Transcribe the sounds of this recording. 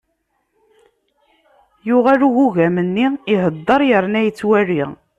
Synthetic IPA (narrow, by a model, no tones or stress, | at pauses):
jʊʁaluɣuʝæmənːiiɦəd̪ˤːəɾˤjəɾnæjət͡sːwæriʁ